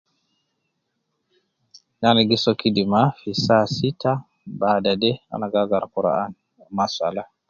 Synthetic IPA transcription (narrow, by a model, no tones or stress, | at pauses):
naniɡisɔkidimafisasita | baːdadɛa̰naɡaɡaɾkuɾa̰an | masa̰la